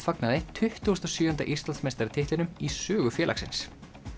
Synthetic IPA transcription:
faknaðɪt̪ʰʏht̪ust̪asjʏːant̪a̰ʔist̪lansmejst̪aɾɪt̪ʰɪht̪lɪnʏmisœːɣʏfjɛːla̰ksɪns

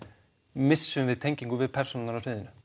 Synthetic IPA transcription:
mɪsːʏmvɪðt̪ʰeɲciŋkʏvɪðpʰɛɾ̥sunɪnaɾafɪːðɪnʏ

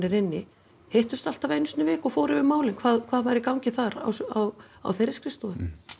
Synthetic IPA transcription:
nɪɾɪnːɪ | hejht̪ʏst̪al̥t̪avejnʏst̪nʏvɛːkɔɣfoːɾɪvɪmaːwlɪnkʰvaːðkʰvaːðvajɾɪkawɲcɪθaɾa̰wsaw | a̰wθejɾɪskɾɪst̪ɔʏ

